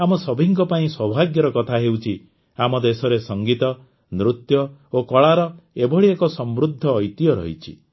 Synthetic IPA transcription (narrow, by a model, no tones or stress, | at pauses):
amɔsɔbʱiŋk̬ɔpaĩswɔbʱaɡjɔɾɔkɔt̪ʰaɦewt͡ʃʰi | amɔd̪esɔɾesɔŋɡit̪ɔ | nɾut̪jɔokɔɭaɾɔebɔɽiekɔsɔmbɾud̪ʱːɔːjt̪ijɔɾɔ̰ɦit͡ʃʰḭ